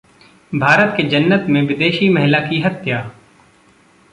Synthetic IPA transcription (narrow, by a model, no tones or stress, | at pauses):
bʱaːɾət̪ked͡ʒɐnːət̪mẽʋɪd̪eːʃimɛɦɪlakiɦɐt̪jaː